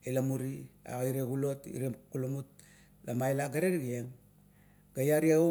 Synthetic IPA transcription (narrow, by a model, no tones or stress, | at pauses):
elamuɾia̰ɣaiɾeɡulotḭɾekulomut̚ | lamajlaɡaɾeɾiɡieŋ | ɡajaɾiao